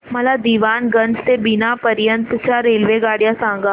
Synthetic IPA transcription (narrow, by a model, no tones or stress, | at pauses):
mɐlad̪iːʋaːnɡɐ̃nt͡ʃt̪ebɪnapɐɾjənt̪t͡ʃaɾeːlʋeɡaːɽjasãːŋɡa